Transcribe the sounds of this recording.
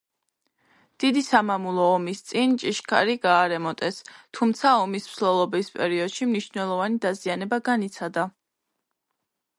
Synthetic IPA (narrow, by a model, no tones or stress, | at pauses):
d̪̥id̪isamamulˠɔːmist̪sʼint͡ʃʼiʃkʰa̰ɾiɡaːɾɛmɔt̪ʼɛst̪ʰumt̪sʰaɔmismslɛlˠɔbispʼɛɾiɔd̪̥ʃimniʃnɛlˠɔvanid̪azianɛbaɡanit̪sʰad̪a